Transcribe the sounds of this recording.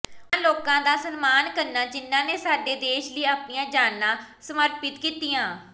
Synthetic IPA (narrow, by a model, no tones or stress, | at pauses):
ãːloːkãːd̪aːsənmaːnkəɾnãːd͡ʒɪnːãːneːsaːɖeːd̪eːʃləiːaːpniːãːd͡ʒaːnːãːsəməɾpɪt̪kiːt̪ijãː